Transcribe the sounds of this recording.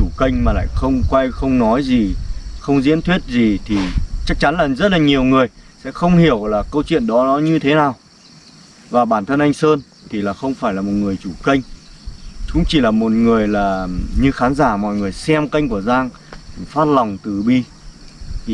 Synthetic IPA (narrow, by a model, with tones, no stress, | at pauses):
u˧˩kə˧jŋ̟maː˨˩la̰ː˧˨jxə˧wŋ͡mkwa˧jxə˧wŋ͡mnɔ˨˦jzi˨˩xə˧wŋ͡mzḭ˧˥ənt̪ʰwi˦˥ət̚zi˨˩t̪ʰi˨˩t͡ɕa˦˥k̚t͡ɕa˨˦nlaː˨˩zə˦˥t̚laː˨˩ɲi˨˩əwŋɨ˨˩əjsɛ̰˧˥xə˧wŋ͡mhi˧˩əwlaː˨˩kə˧wt͡ɕwḭ˧˨ənɗɔ˨˦nɔ˨˦ɲɨ˧t̪ʰe˨˦naː˨˩w | vaː˨˩ɓaː˧˩nt̪ʰə˧nʔa˧jŋ̟səː˧n | t̪ʰi˨˩laː˨˩xə˧wŋ͡mfaː˧˩jlaː˨˩mo˨˩t̚ŋɨ˨˩əjt͡ɕu˧˩kə˧jŋ̟ | t͡ɕʊ̰˧˥ŋ͡mt͡ɕi˧˩laː˨˩mo˨˩t̚ŋɨ˨˩əjlaː˨˩ɲɨ˧xaː˨˦nzaː˧˩mɔ̰˧˨jŋɨ˨˩əjsɛ˧mkə˧jŋ̟ku˧˩əzaː˧ŋ˨˩ | faː˦˥t̚la˨˩wŋ͡mt̪ɨ˨˩ɓi˧˨